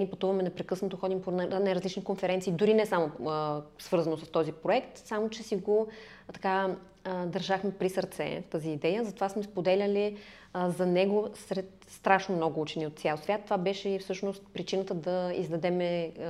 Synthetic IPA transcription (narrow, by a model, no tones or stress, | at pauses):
nʲiɛpɐt̪uvɐmɛnɛpɾɛkɤsnot̪oxɔd̪imponnajɾɐzlit͡ʃnikonfɛɾɛnt̪siːd̪ʊɾinɛsamoəsv̥ɤɾzɐnosəst̪ɔzipɾoɛkt̪samot͡ʃɛsiɡo | t̪ɐ̥ka | d̪ɐɾʒaxmɛpɾisəɾt̪sɛ̰ft̪əziːd̪ɛjəzɐt̪ovasmɛspod̪ɛlʲəli | zɐnɛɡosɾɛt̪ | st̪ɾaʃnomnɔɡʊut͡ʃɛniot̪t̪sʲalˠsvʲat̪ːovabɛʃɛifsɤʃnost̪̚pɾit͡ʃinət̪əd̪ɐḭzd̪ɐd̪ɛmɛ